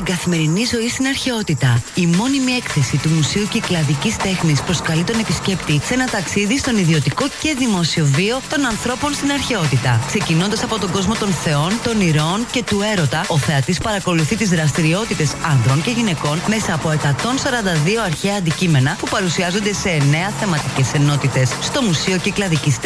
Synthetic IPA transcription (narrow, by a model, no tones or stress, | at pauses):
t̪iɡɐθime̞ɾinizo̞ist̪inɐɾçe̞o̞t̪it̪ɐimo̞nimie̞kθe̞sit̪umusiuceklɐðicist̪e̞xnispɾo̞skɐlit̪o̞ne̞pisce̞pt̪ise̞nɐt̪ɐksiðist̪o̞niðio̞t̪iko̞ce̞ðimo̞sio̞vio̞t̪o̞nɐnθɾo̞po̞nst̪inɐɾçe̞o̞t̪it̪ɐ̰kse̞cino̞nd̪ɐsɐpo̞t̪o̞ɡo̞zmo̞t̪o̞nθe̞o̞nt̪o̞niɾo̞nce̞t̪ue̞ɾo̞t̪ɐo̞θeɐt̪ispɐɾɐko̞luθit̪izðɾɐst̪iɾio̞t̪it̪e̞sɐnðɾo̞nce̞ʝine̞ko̞nme̞sɐːpo̞e̞kɐt̪o̞nsɐɾɐnd̪ɐðio̞ɐɾçeɐnd̪icime̞nɐpupɐɾusiɐzo̞nd̪e̞se̞ne̞ɐθe̞mɐt̪ice̞se̞no̞t̪it̪e̞sːt̪o̞musio̞ciklɐðicis